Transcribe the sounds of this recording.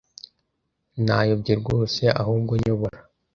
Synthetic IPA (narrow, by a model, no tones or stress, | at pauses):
najobɟeɾɡoːseʔa̰ɦuːbɡoɲoβoɾa